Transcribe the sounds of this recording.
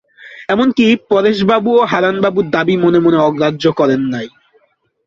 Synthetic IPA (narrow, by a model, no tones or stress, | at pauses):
ɛmonkipɔɾeʃbabuoɦaɾanbabuɾd̪abimonemoneɔɡɾadːd͡ʑokɔɾenːaj